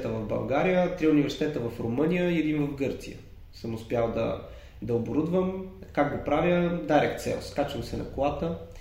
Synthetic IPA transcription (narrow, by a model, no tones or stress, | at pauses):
t̪əvɐvbɐ̰lˠɡaɾijət̪ɾiʊnivɛɾsi̥t̪ɛt̪əvɐfɾomɤnʲijəiɛd̪invəvɡɤɾt̪sijə | səmʊspʲjalˠd̪ɐ̰ | d̪ɐoboɾud̪vəmkaɡ̚ɡopɾavʲjəd̪aɾɛkt̪sɛ̰lˠskat͡ʃəmsɛnɐ̰klˠat̪ə